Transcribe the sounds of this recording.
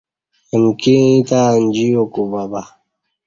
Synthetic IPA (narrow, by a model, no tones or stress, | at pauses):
emkĩit̪and͡ʑijokubaba